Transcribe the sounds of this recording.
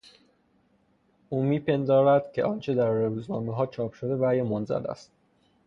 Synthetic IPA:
ʔuːmiːpʰe̞nd̪ɒːɾæd̪̥cʰe̞̰ʔɒnt͡ʃʰed̪æɾːeːuːznɒːmeɦɒːt͡ʃʰɒːpʰʃod̪e̞væːjemonzæ̰læ̰st̪

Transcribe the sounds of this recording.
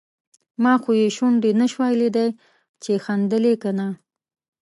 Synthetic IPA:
mɑxojeʃuɳɖenaʃwɑjled̪aj | t͡ʃexand̪əlekana

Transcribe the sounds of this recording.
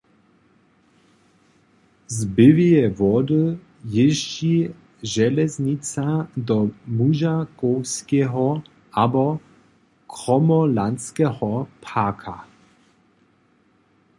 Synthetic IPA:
zbɪvijɛvɔd̪ɨ | jɪʒd͡ʒi | ʒɛlɛzɲit͡sad̪ɔmuʒakoskɛɦɔ | ʔabɔ | kɾɔmɔlant͡skɛhɔpʰaːkʰa

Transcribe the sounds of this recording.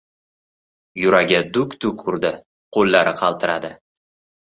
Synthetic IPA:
jʊɾaɡʲad̪ʊkʲd̪̥ʊkʰʊɾd̪ɪ | qʰolːaɾɪqʰɑlˠt̪ʰɪɾad̪ɪ

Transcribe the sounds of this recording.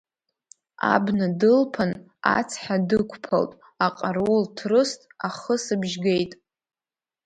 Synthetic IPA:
a̰bnadɨlpʰan | a̰t͡sʰħadɨkʷʰpʰa̰ltʼ | aqʼarwultʰrɨstʼaχəsɨbʒɡe̞jtʼ

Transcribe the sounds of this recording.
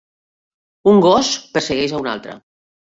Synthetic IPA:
uŋɡɔspəɾsəɣɛzauna̰lˠt̪ɾə̰

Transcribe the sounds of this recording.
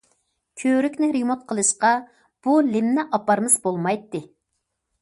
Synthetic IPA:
kʲʰøɾykʲnɪɾemot̪̚qʰəlˠɨʃqɑ | b̥ulɪmnɪʔɑpɑɾmɨzbolˠmɑjt̪ːɨ

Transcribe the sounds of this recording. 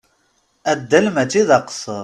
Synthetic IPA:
æd̪ːəlmæt͡ʃːiðɑqsəɾˤ

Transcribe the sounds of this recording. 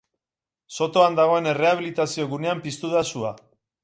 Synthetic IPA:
so̞t̪o̞and̪aɣ̞o̞e̞ne̞re̞aβ̞ilit̪asio̞ɣune̞ampist̪uðasua

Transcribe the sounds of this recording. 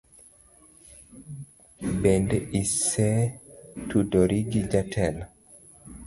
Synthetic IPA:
bɛndisɛ | tudɔɾiɡid͡ʒatʰɛl

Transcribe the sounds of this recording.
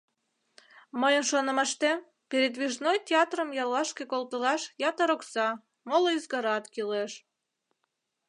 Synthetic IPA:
məjənʃonə̆mɑʃt̪e | peɾed̪βiʒnojt̪ʲeɑt̪rəmjɑlːɑʃkekolt̪əlɑʃjɑt̪əɾoksɑ | moloizɡɑɾɑt̪kileʃ

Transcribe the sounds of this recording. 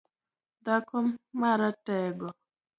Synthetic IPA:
d̪akɔmːaɾatɛɡɔ

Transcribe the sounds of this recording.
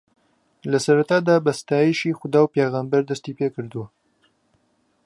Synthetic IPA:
ləsɐɾat̪ad̪abəst̪aːjiʃixʊd̪aːwpeːɣambɐɾd̪ɐst̪ipekɨɾd̪wa

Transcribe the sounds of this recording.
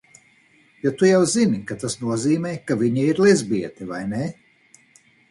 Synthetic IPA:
jat̪ujawzinikat̪asnuɔziːmɛjkaviɲiiɾlˠɛzbiɛt̪ɛvajne

